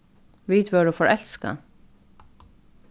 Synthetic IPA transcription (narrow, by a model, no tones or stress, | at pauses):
ʋiːt̪ʋœːɹəfɔɹʔɛlska̰